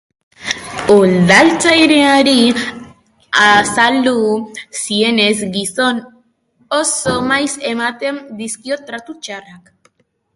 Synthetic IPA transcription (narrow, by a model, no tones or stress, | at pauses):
old̪alt͡sajɾeaɾi | asald̪usie̞ne̞zɡiso̞n | osomajse̞mat̪e̞nd̪iskio̞t̪ɾat̪ut͡ʃarak